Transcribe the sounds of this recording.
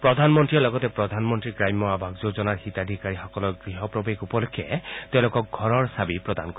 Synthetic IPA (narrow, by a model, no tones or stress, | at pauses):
pɹɔd̪ʱanmɔntɹilɔɡɔtɛpɹɔd̪ʱanmɔntɹikɹajmɔabʱaɡzozɔnaɹxit̪ad̪ʱikaɹixɔkɔlɔɡɹiɦɔpɹɔbekupɔlukʰːɛt̪ẽʊ̃lʊkɔk̚ɡʱɔɹɔɹsabipɹɔd̪a̰nkɔ